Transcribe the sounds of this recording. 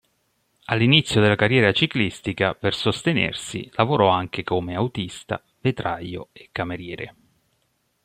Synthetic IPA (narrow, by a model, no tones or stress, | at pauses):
alːinit̪sːjod̪elakarːjɛːɾat͡ʃiklist̪ikapersost̪enḛrsḭlavoɾɔaŋk̟ekomeawt̪ist̪a̰ | vet̪ɾʔajːo̰ekːameɾjɛːɾḛ